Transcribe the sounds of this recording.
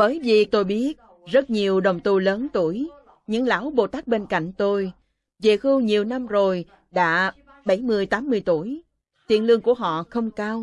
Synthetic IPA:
ɓəː˨˩jvḭ˨˩˨t̪o˧jɓi˦˥ət̚ | zə˦˥t̚ɲi˨˩əwɗə˨˩wŋ͡mt̪u˧˩ləː˨˦nt̪u˧˩əj | ɲɨ̰˧˥ŋla̰ː˧˥wɓo˨˩t̪aː˦˥k̚ɓe˧nka̰˧˨jŋ̟t̪o˧j | zḛ˧˨˩xɨ˧wɲi˨˩əwna˧mzo˨˩j | ɗa̰ː˧˥ | ɓə˧˩jmɨ˧əjt̪aː˨˦mːɨ˧əjt̪u˧˩əj | t̪ḭ˧˨nlɨ˧əŋku˧˩əɦɔ̰˧˨xə˧wŋ͡mkaː˧w

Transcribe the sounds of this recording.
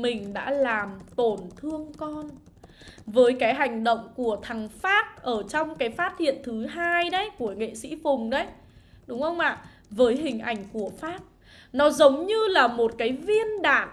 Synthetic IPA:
mï˨˩ŋ̟ɗa̰ː˧˥laː˨˩mt̪o˧˩nt̪ʰɨ˧əŋkɔ˧n | vəː˨˦jkaː˨˦jɦa˨˩jŋ̟ɗə̰˧˨wŋ͡mku˧˩ət̪ʰa˨˩ŋfaː˦˥t̚ʔəː˧˩t͡ɕɔ˧wŋ͡mkaː˨˦jfaː˦˥t̚hḭ˧˨ənt̪ʰɨ˨˦ɦaː˧jɗə˨˦jku˧˩əŋḛ˧˨sḭ˧˥fʊ˨˩ŋ͡mɗə˨˦j | ɗʊ˨˦wŋ͡mhə˧wŋ͡mʔa̰ː˧˨ | vəː˨˦jɦï˨˩ŋ̟ʔa˧˩jŋ̟ku˧˩əfaː˦˥t̚ | nɔ˨˦zə˨˦wŋ͡mɲɨ˧laː˨˩mo˨˩t̚kaː˨˦jvi˧ənɗa̰ː˧˨n

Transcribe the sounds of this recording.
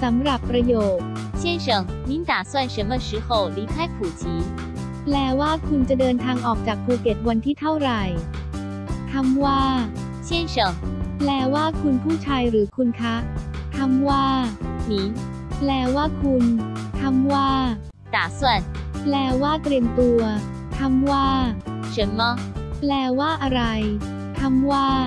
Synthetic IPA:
sa˩˦mɾa˨˩pːɾa˧joː˨˩t̪̚ | t͡ɕʰjɛ˥˩nʂɤ˨˩ŋni˨˦nt̪aː˨˩˦swa˥˩nʂə˨˦nma˧ʂɯ˨˦xo˨˩wli˨˦˥p̪ʰa˥˩jkʰu˨˩t͡ɕʰiː˨˦ | plɛː˧waː˥˩kʰu˧nt͡ɕa˨˩dɤː˧nt̪ʰaː˧ŋʔɔː˨˩k̚t͡ɕaː˨˩k̚pʰoː˧ke˨˩t̪̚wa˧nt̪ʰiː˥˩t̪ʰa˥˩wɾa˨˩j | t̪ʰa˧mwaː˥˩ | t͡ɕʰjɛ˥˩nʂɤ˨˩˦ŋplɛː˧˩waː˥˩kʰu˧npʰuː˥˩t͡ɕʰaː˧jɾɯː˩˦kʰu˧nkʰa˦˥t̪ʰa˧mwaː˥˩niː˨˦ | plɛː˧˩waː˥˩kʰu˧nt̪ʰa˧mwaː˥˩ | naː˨˩˦su˨˩ənplɛː˧waː˥˩t̪ɾi˧əmt̪u˧ɐ | t̪ʰa˧mwaː˥˩ | ɕɯ˨˩˦nlɔ˦˥plɛː˧˩waː˥˩ʔa˧ɾa˧j | t̪ʰa˧mwaː˥˩

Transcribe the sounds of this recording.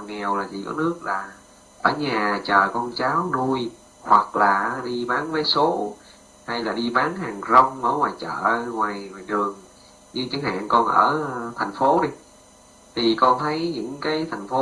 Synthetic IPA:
ŋɛ˨˩wlaː˨˩t͡ɕḭ˧˩kɔ̰˨˦nɨ˦˥ək̚laː˨˩ | ʔəː˧˩ɲaː˨˩t͡ɕəː˨˩kɔ˧nt͡ɕaː˨˦wnu˧j | hwa˨˩k̚laː˨˩˦ɗi˧ɓaː˨˦nvəː˨˦jso˨˦ | ha˧jlaː˨˩ɗi˧ɓaː˨˦nɦaː˨˩ŋzə˧wŋ͡mʔəː˧˦ŋwaː˨˩jt͡ɕə̰ː˧˨ŋwaː˨˩jŋwaː˨˩jɗɨ˨˩əŋ | ɗi˧t͡ɕə˨˦ŋha̰ː˧˨ŋkɔ˧nʔə̰ː˧˩t̪ʰjŋ̟fo˨˦ɗi˧ | t̪ʰi˨˩kɔ˧nt̪ʰə˨˦jɲɨ̰˧˥ŋkaː˨˦jt̪ʰjŋ̟fo˨˦

